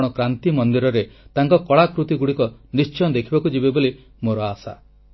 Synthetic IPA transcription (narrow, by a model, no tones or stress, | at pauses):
ɽ̃ɔkɾant̪imɔnd̪iɾɔɾet̪aŋkɔkɔɭakɾut̪iɡuɽikɔnist͡ʃɔjnd̪ekʰibakud͡ʒibeboli | moɾɔasa̰